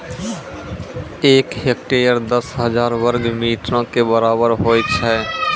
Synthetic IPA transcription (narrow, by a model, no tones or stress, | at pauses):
eːkɦek̚ʈeːjəɾd̪əsɦəzaːɾʋəɾɡmiːʈɾãkebəɾaːbəɾɦoːjt͡ʃʰɛ